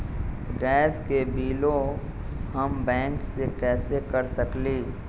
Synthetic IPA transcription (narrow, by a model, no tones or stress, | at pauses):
ɡɛːskebʱiːlo | hɐmbɛ̃ːŋksekɛːsekɐɾsəkliː